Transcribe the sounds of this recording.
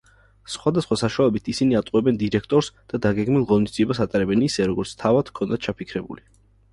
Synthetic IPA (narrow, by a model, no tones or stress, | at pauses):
sχwad̪asχwasaʃualɛbit̪ʰisiniat̪ʼwɛbɛnd̪iɾɛkʰt̪ʼɔɾsd̪̥ad̪aɡɛɡmilˠʁɔnisd̪ziɛbasat̪ʼaɾɛbɛnisɛɾɔɡɔɾt̪sʰt̪ʰavad̪̥kʰɔnd̪at̪̚ʰt͡ʃʰapʰikʰɾɛbṵli